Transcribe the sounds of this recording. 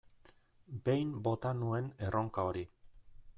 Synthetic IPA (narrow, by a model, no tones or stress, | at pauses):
be̞jmbo̞t̪anue̞ne̞rʔo̞ŋkao̞ɾi